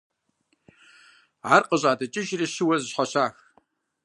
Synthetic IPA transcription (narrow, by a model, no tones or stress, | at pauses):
ʕarqʼəʑʼaːdɐt͡ʃʼɪʒriɕɨwɐzɕħʷaɕaːx